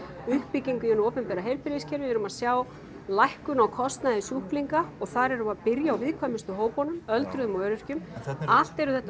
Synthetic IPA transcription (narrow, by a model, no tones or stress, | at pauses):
ʏhpiciŋkʏɛnʏoːwpʏmpɛːɾaɦejɾpɪɾɪscʰɛɾvɪðɛɾʏmaðsjaːw | lajhkʏnawkʰɔst̪naðɪsuhpliŋkaɔɣθaɾɛɾʏmaðpɪɾjaːwvɪðkʰvœmɪst̪ʏɦoːwpɔnʏmœlt̪ɾʏðʏmɔœːɾʏr̥cʏmal̥t̪ɛɾʏθɛht̪